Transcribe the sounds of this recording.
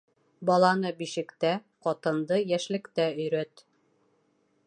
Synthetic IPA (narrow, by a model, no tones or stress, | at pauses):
bɒlˠɑnɤbiʃɘ̆kt̪æ | qɒt̪ɤ̆nd̪ɤjæʃlɘ̆kt̪æɵ̆jɾæt̪